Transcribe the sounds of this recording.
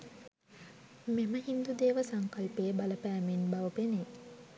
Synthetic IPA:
meməɦind̪ud̪eːʋəsaŋkɐlpeːbaləpæːmenbaʋəpene

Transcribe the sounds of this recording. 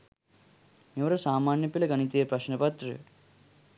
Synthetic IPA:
neʋɐɾɐsaːmaːnjɐpilɐɡɐɳit̪ijepɾɐʃnɐpɐt̪ɾɨ̰

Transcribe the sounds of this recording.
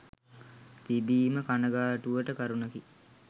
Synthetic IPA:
t̪ibiːməkanəɡaːʈuʋəʈəkaɾunəki

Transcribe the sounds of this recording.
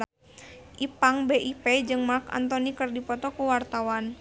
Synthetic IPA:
ʔipaŋbeʔiped͡ʒɨŋmaka̰nt̪ɔnikɨrdipɔt̪ɔkəwart̪awan

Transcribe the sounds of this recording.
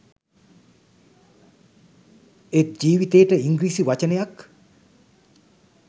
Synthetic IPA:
et̪̚d͡ʒiːʋit̪eːʈəiŋɡɾiːsiʋat͡ʃənəjak

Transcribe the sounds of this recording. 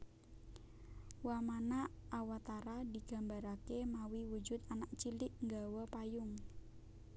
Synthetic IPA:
wamanaawat̪aɾadiɡ̥a̤mbaɾakemawiwud͡ʒʊt̪anaʔ̚t͡ʃilɪʔŋɡawəpajʊŋ

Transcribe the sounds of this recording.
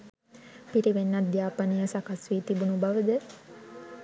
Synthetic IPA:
piɾiʋenːat̪̚jaːpanijəsakasʋit̪ibunubaʋəd̪ə

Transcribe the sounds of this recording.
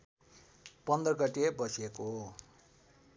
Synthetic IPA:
pʌnd̪rʌɡʌʈebʌsiekoɦo

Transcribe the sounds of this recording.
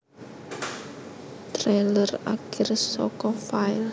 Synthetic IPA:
t̪ɾeləra̰kʰɪrsɔ̰kɔfaɪl

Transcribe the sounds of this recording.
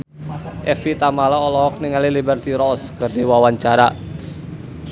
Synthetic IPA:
ʔɛfit̪amalaɔlɔɦɔk̚niŋalilibɛrt̪iɾɔskərdiwawaɲt͡ʃaɾa

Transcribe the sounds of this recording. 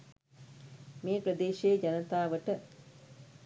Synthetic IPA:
meːpɾɐd̪eːʃeːd͡ʒanɐt̪aːʋəʈə

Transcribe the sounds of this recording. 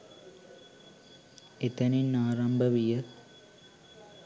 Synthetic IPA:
et̪ɐninːaːɾambʱɐʋijɐ

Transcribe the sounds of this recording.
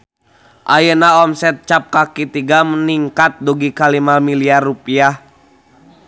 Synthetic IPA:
ʔajənaɔmsɛt̪̚t͡ʃap̚kakit̪iɡaməniŋkat̪̚duɡikalimamiliarupiah

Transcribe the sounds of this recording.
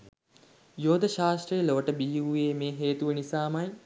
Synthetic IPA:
joːd̪əʃaːsʈɾəjəloʋəʈəbijuuʋeːmeːɦeːt̪uʋənisaːmɐj

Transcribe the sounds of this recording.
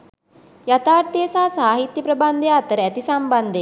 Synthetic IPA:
jat̪aːɾt̪eːsaːsaːɦit̪jɐpɾɐband̪ejaːt̪əɾəæt̪isamband̪e

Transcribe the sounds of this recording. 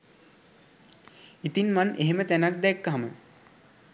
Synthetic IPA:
it̪inmanʔeɦemət̪ænak̚d̪ɛkːaɦamə̰

